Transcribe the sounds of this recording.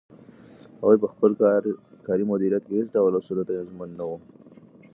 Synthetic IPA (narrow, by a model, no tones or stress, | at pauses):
hawajpəxpəlkɑɾimʊd̪iɾijat̪̚kehesdawəlasulat̪ajazmanːawu